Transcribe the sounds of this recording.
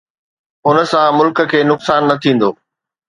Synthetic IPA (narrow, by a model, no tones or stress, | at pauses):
ʊnə̆sãmʊlkə̆kʰeːnʊksaːnːɐt̪ʰĩːn̆d̪oː